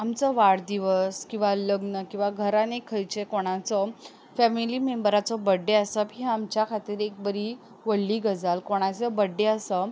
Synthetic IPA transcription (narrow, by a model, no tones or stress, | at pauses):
amt͡səʋaɽd̪iʋəskĩw̃ʋaləɡnəkĩw̃ʋaɡʱəɾanekʰəjt͡ɕekoɽ̃at͡sɔ | fɛmilimembəɾat͡sɔbəɖːeəsəpĩamt͡ɕjakʰat̪iːɾek̚bəɾi | ʋəɽːiːɡʱəd͡zalkoɽ̃at͡səbəɖeəsə